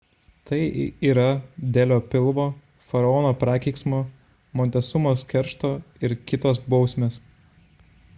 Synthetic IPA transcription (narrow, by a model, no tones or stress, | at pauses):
t̪ɐɪiːɾɐd̪ʲɛlʲoːpʲɪlˠʋoː | fɐɾɐɔːnoːpɾɑːkʲɛɪksmoː | moːnʲt̪ʲɛsʊmoːskʲɛɾʃt̪oːɪɾkʲɪt̪oːsbɒʊsʲmʲeːs